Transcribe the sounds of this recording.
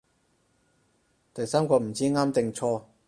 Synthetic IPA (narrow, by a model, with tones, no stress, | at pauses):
t̪ɐ˨jsaː˥mkɔː˧m̩˨˩t͡siː˥ŋaː˥mt̪ɪ˨ŋt͡sʰɔː˧